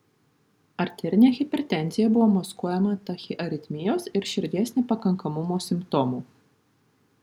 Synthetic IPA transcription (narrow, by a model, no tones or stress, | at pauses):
ɐɾʲt̪ʲɛɾʲɪnʲeːxʲɪpʲɛɾʲɛt̪ʲɛnʲt̪zʲɪjɛbʊʋoːmɐskuɔjɛmɐt̪ɐxʲɪʔɐɾʲɪt̪ʲmʲɪjoːsɪɾʃʲɪɾʲd̪ʲɛˑsʲnʲiˑpɐkɐŋkɐmʊmoːsʲɪmpt̪ɔmuː